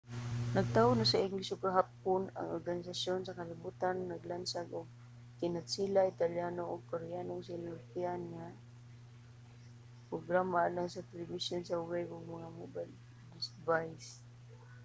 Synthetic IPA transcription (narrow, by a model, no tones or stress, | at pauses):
naɡ̚t̪aʊnasaɪŋɡlɪsʊɡaɦapʊna̰ŋoɾɡanɪs̬asjʊnsakalɪbut̪anːaɡlansaɡʊɡ̚ | kɪnat̪silaɪt̪aljanoʊɡ̚paɾɪjanʊŋsinalpianŋa | pɾʊɡɾamalaŋsat̪ɛlɪbisjʊnsawɛjɡʊɡ̚maŋamubal | d̪ɪsvajs